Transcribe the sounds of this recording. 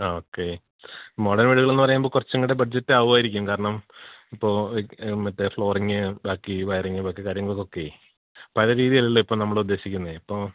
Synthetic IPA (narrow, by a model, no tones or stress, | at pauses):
o̞ːkːe | moɽɐnʋiːɽuɣɐɭe̞nːɨpɐrɐjaːmboːkurɐt͡ɕːɐŋːɐɭɽe̞bɐɖ̚d͡ʑɐtːɨaːʋuaːjiɾikʲːumkaːɾɐɳɐmipːo̞ːmːɐt̪ːefɭo̞ːriŋːɨbaːkːiʋɐjɐriŋːɨbaːkːikaːɾjɐŋɡɐɭokːo̞kːe̞ | pɐlɐɾiːðijɐlːilːoːipːoːnɐmːɐɭud̪ːe̞ːɕikʲːunːɐðipːoː